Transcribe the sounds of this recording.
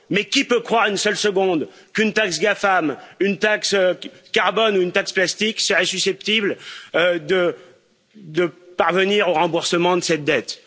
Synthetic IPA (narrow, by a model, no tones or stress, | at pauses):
mɛkʲipøkχwaʁynsœlsəɡɔ̃d̪kynt̪aksɡafamynt̪akskaʁbɔnuynt̪aksplast̪iksəʁɛsysɛpt̪ibl | d̪ə | d̪əpaʁvəniʁoʁɑ̃buʁsəmɑ̃d̪əsɛt̪̚d̪ɛt̪